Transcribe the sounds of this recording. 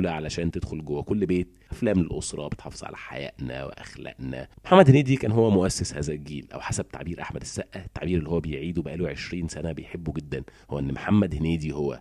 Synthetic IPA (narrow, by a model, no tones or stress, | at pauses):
læʕalæʃæːnt̪ed̪̥xolɡowːækolːbeːt̪̚ʔæflæːmlelʔosɾˤɑ̰bet̪ħɑ̰ːfezˤʕa̰læ̰ħa̰jæ̰ʔnæ̰wḛʔæxlæ̰ʔnæ̰mħamːæd̪henæːd̪ikæːnɦowːæmoʔæsːeshæːzælɡiːlʔæ̰wħasæb̚t̪a̰ʕbiːɾʔaħmæd̪esːæʔːæt̪ːaʕbiːɾelːihowːæbejʕiːd̪webæʔæːluʕeʃɾiːnsænæbejħebːuɡed̪ːænhowːæʔenːmħamːæd̪henæːd̪ihowːæ̰